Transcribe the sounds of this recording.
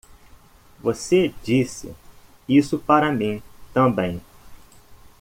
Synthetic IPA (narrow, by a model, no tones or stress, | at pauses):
ʋəseːd͡ʒiːsḭ | iːsupaːɾãmẽt̪ãbɐ̃ĩ